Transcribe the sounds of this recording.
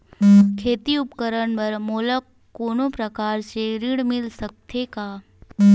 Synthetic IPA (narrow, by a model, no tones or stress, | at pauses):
kʰeːt̪iʊpkəɾəɳpəɾmoːlək | kːoːnopɾəkaːɾseɾiɽmɪlsək̚t̪ʰekaː